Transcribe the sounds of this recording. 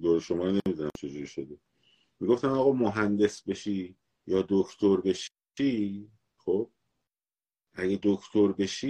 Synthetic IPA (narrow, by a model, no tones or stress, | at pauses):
d̪oːɾeʃomɒːɾne̞mid̪unæmt͡ʃʰe̞d͡ʒuɾiʃod̪e | miːɡo̞ft̪æmɒːɣɒːmoɦænd̪e̞sbe̞ʃiː | jɒːd̪okʰt̪ʰoɾbe̞ʃ | iː | xob̥̚ | ʔæɟed̪okʰt̪ʰo̞ɾbe̞ʃiː